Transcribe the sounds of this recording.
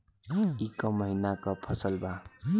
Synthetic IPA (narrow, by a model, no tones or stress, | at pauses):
ikʌmʌɦinakʌpʰʌsʌlbʱa